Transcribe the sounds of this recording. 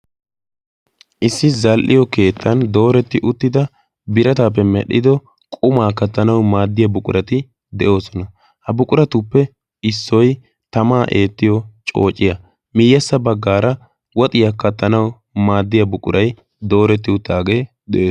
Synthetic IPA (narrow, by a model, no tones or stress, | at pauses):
ʔɪsːɪzɐlʔɪjɔke̞ːt̪ʰːɐnd̪o̞ːɾɛt̪ːɪʔʊt̪ːɪd̪ɐ | bɪɾɐt̪aːp̬ːɛmɛɗɪd̪ɔ | kʼʊmaːkɐt̪ːɐnɐwmaːd̪ːɪjɐbʊkʼʊɾɐt̪ɪ | d̪ɛʔo̞ːsɔnɐ | hɐbʊkʼʊɾɐt̪ʊpːɛ | ɪsːɔj | t̪ɐmaːʔe̞ːt̪ːɪjɔt͡ʃʼo̞̰ːt͡ʃʼːɪjɐ | mɪjːɐsːɐbɐɡːaːɾɐ | wɔt̪ʼɪjɐkɐt̪ːɐnɐw | maːd̪ːɪjɐbʊkʼʊ̰ɾʔɐj | d̪o̞ːɾɛt̪ːɪʊt̪ːaːɡe̞ː | d̪ɛʔoː